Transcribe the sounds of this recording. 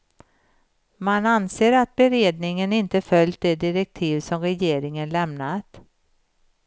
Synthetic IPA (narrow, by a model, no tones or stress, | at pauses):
mananseːɾat̪̚bɛɾeːd̪nɪŋənɪnt̪əfœlj̚d̪ɛd̪ɪɾɛk̚t̪ʰiːvsɔmɾɛjeːɾɪŋənlɛmnat̪